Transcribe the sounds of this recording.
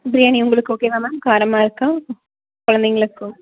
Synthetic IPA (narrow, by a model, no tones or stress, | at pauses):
bɾijaːniʊŋɡɐɭɯkːɯoːkeːʋãːmaːkaːɾɐmaːɪɾɯkːɐ̃ | kɔɻɐnd̪eŋɡɐɭɯkːʊ̃